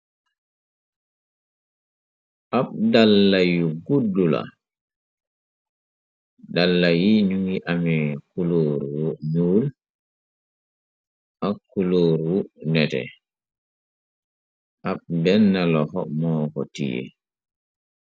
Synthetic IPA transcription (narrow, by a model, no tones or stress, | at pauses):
ʔaɓdalːajuɡudːula̰ | dalːajinuŋiʔamɛkuloɾuwɔɲuːl | ʔakːuloːɾuwunɛtɛ̰ | ʔaɓdɛnːalɔhɔmɔːkɔtḭjɛ̰